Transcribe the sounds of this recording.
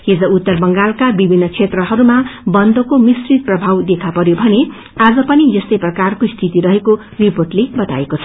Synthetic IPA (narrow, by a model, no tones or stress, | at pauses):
hed͡zʌut̪ːʌrbʌŋɡalkabibʱinːʌt͡sʰet̪rʌɦʌɾumabʌnd̪ʌkomisrit̪̚prʌbʱawd̪ekʰapʌɾjobʱʌne | ad͡zʌpʌnijʌst̪ʌjprʌkarkost̪ʰit̪iɾʌɦeko | riporʈlebʌt̪a̰ekot͡sʰʌ̥